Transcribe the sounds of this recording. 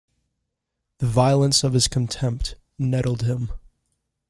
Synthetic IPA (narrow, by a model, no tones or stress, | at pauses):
ðɨvaɪlˠə̃nsʌv̥ɨz̥kʰn̩tʰɛ̃mp̚t | nɛɾl̩ˠd̚ɪ̃m